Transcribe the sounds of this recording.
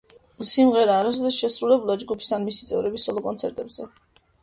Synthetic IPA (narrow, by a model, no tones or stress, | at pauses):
simʁɛɾaːɾasɔd̪ɛsʃɛsɾulɛbulˠad͡ʒɡupʰi̥sanmisi̥t̪sʼɛ̰vɾɛbisɔlˠɔkʼɔnt̪sʰɛɾt̪ʼɛbzɛ